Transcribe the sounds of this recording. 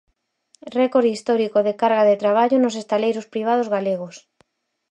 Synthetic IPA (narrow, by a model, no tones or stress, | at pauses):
rɛkoɾðist̪ɔɾikoðekaɾɣaðet̪ɾaβ̞aʎʊnos̬est̪alejɾospɾiβ̞að̞ozɣaleɣ̞os